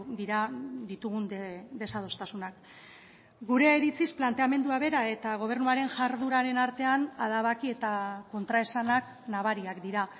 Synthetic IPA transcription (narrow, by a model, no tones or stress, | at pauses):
d̪iɾad̪it̪uɣ̞und̪e̞sað̞o̞st̪asunak | ɡuɾe̞ːɾit͡sisplant̪e̞ame̞nd̪uaβe̞ɾae̞t̪aɣ̞o̞β̞e̞ɾnuaɾe̞ŋʝaɾðuɾaɾe̞naɾt̪e̞anaðaβakie̞t̪ako̞nt̪ɾae̞sanak | naβaɾiakd̪iɾa